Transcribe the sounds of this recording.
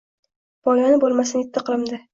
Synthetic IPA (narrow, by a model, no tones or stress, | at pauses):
b̥ɒlanɪbolˠmasɪnɪt̪ːɪqʰɨlˠɪmd̪ɪ